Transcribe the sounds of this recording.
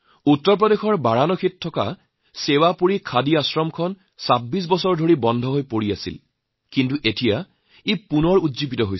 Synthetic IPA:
utːɔɹpɹɔdexɔɹbaɹanɔkʰittʰːɔka̰ | sewapuɹikʰadiasɹɔmkʰɔn | sabːis̬bɔsɔɹdʱoɹibɔndʱɔɦojpoɹiasḭl | kint̬uʔetija | epunɔɹudzipitɔɦoj

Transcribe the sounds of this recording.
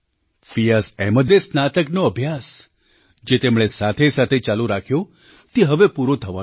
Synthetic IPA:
fijasɛməd̪esnat̪əknoəbʱjas | d͡ʒet̪emɭ̃esat̪ʰesat̪ʰet͡ʃaluɾakʰjo | t̪iɦəʋepuɾot̪ʰəʋa

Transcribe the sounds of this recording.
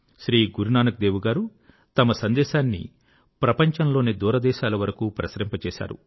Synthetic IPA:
ʃɾiːɡuɾunaːnɐk̚d̪eːʋuɡaːɾu | t̪ɐmɐsɐnd̪ɛːʃaːnːḭ | pɾɐpɐɲt͡ʃɐnlo̞ːneːd̪uːɾɐd̪ɛːʃaːlɐʋɐɾɐkuːpɾɐsɾɐmpɐt͡ʃɛːʃa̰ːɾṵ

